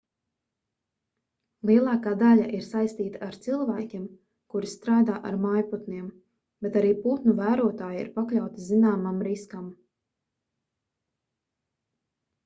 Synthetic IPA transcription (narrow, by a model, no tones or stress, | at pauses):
lˠiɛlˠaːkaːd̪aʎaʔiɾsajst̪iːt̪aaɾt̪silˠvæːkʲim | kuɾist̪ɾaːd̪aːʔa̰ɾmajpɔt̪nʲiɛm | b̥et̪aɾiːpuːt̪nuvæːɾuɔt̪aːjḭɾpakʎʲawt̪izinaːmamɾiskam